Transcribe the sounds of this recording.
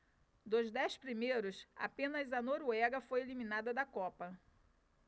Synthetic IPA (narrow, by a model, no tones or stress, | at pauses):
d̪ʊzd̪ɛjspɾimejɾʊsa̰pẽnɐzɐnoɾuɛɡɐfojelimĩnad̪ɐd̪ɐkɔpɐ